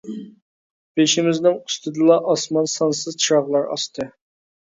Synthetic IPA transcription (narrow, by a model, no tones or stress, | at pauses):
b̥eʃimɪznɪŋust̪ɨd̪ɨlˠɑʔɑsmɑnsɑnsɨzt͡ʃʰiɾɑʁlˠɑɾɑ̰st̪ʰɨ